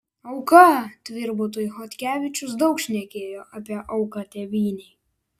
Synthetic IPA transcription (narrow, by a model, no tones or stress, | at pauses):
ɐʊkɐt̪ʲʋʲɪɾbʊt̪̬oːjxot̪ʲkʲæːʋʲɪt͡ʃʲʊs̬d̪ɒʊkʃʲnʲɛkʲeːjoːʔɐpʲiɛʔɐʊkɐt̪ʲɛʋʲiːnʲɛɪ